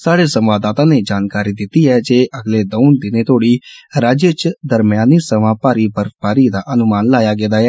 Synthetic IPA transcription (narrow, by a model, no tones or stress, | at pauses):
saːɽesə̃mʋaːd̪aːt̪ãːneːd͡ʒaːnkaːɾid̪ɪt̪ːiːɛːd͡ʒeːʔəɡleːd̪oʊd̪ɪneːt̪oːɽiːɾaːd͡ʒet͡ʃd̪əɾmɪjaːniːsəʋãːpaːɾiːbəɾpaːɾiːd̪aːʔənʊmaːnlaːjaːɡeːd̪aːɦɛː